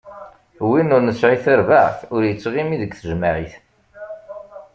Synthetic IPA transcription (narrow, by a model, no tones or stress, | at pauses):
winʊɾnəsʕiθəɾvaʕθʊɾjət͡sːʁimiðəɡθəʒmaʕiθ